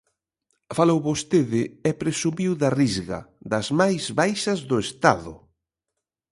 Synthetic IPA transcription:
falowβost̪eðɪɛpɾesumiwðɐrizɣɐ̰d̪ɐzmajzβajʃɐzðʊest̪aðʊ̰

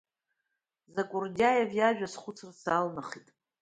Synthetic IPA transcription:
zakʼʊrdʲajavjaʒᶣasχʷʊt͡sʰɨrsalmaχitʼ

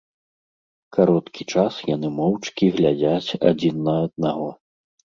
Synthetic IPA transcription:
kaɾɔt̪kʲit͡ʂasjanɨmɔwt͡ʂkʲiɣlʲad͡zʲat͡sʲa̰d͡zʲinːɐːd̪̚naɣɔ

